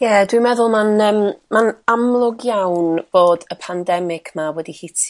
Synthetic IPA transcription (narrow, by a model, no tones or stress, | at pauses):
jɛdwimɛðʊlˠmanəːmːanamlˠʊɡjawnb̥oːdəpʰandɛmɪɡʰmawɛdihitʰ